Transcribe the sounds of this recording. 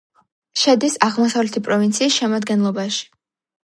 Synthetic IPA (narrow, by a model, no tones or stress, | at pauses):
ʃɛd̪isaʁmɔsavlɛt̪ʰipʼɾɔvint̪sʰiːsʃɛmad̪ɡɛnlˠɔbaʃi̥